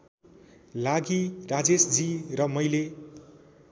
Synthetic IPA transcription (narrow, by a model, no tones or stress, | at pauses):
laɡirad͡zesd͡zirʌmʌjle